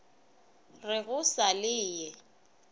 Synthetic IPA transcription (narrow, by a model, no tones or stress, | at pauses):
rɪɣʊsalɪːjɛ